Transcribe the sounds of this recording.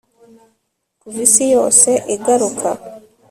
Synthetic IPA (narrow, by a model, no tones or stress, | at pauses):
kuβisijo̞ːse̞ʔeɡaɾukʰa